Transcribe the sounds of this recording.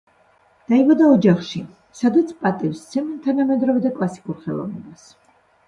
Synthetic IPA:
d̪̥aivad̪aɔd͡ʒaχʃi | sad̪at̪sʰpʼat̪ʼifst̪sʰɛmt̪ʰanamɛd̪ɾɔvɛd̪akʼlˠasi̥kʼuɾχɛ̰lˠɔ̰vnɛ̰bas

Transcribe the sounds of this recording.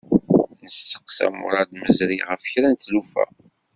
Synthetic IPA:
nəsːə̥qsæ̰mʊ̰ɾˤɑd̪məzɾiʁəfçɾænt̪ːlufæ̰

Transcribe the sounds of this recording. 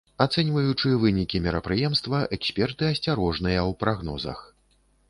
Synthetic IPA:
at̪sɛnʲvɐjut͡ʂɨvɨnʲikʲimʲɛɾɐpɾɨjɛmst̪vɐʔɛksʲpʲɛrt̪ɨɐsʲt͡sʲaɾɔʐnɨjɐwpɾaɣn̪ɔ̰zɐ̰x

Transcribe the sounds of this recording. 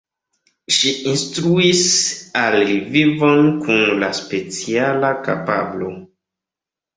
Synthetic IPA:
ʃiinstɾuisalivivo̞nkunlaspe̞t͡sialaka̰pablo̞̰

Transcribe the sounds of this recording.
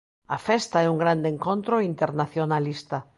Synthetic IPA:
afest̪aeuŋɡɾand̪eŋkõnt̪ɾoint̪eɾnaθjonalist̪a

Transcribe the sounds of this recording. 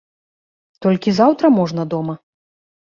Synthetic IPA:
t̪ɔlʲkʲizawt̪ɾɐmɔʐnɐd̪ɔmɐ

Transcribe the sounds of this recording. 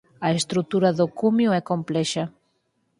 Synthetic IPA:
ɐest̪ɾut̪uɾaðokumjoɛkomplɛʃa

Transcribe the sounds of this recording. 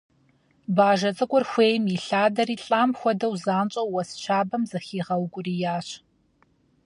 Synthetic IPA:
baːʒɐt͡sʼɐkʷʼɔrxʷeːjmiɬaːdɐriːɬʼaːmxʷɔdɐwzaːnt͡ʃʼɐwːɐst͡ʃʰaːbɐmzɐxiːʁɐwkʷʼʊriːjaːɕ

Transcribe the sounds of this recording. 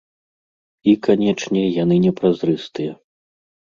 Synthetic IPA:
ikanʲɛt͡ʂnʲɛjanɨnʲɛpɾazɾɨst̪ɨjɛ

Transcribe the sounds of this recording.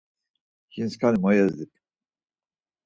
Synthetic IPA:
hinskʰanimɔjɛzd̪ip

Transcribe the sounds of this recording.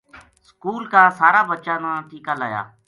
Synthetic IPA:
skuːlkaːsaːɾaːbətːt͡ʃaːnãːt̪iːkaːlaːja̰ː

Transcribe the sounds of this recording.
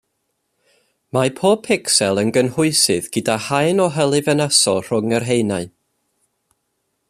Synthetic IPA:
mapʰoːb̚pʰɪksɛlˠənɡənhʊɨsɨðɡ̥ədahajnɔɦəlˠɨvənasɔr̥ʊŋərɦejnaɨ

